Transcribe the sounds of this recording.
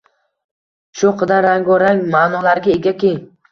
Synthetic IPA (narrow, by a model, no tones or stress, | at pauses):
ʃʊqʰɨd̪aɾaŋɡɒɾaŋmaːnɒlaɾɡʲaeɡʲakʲʰej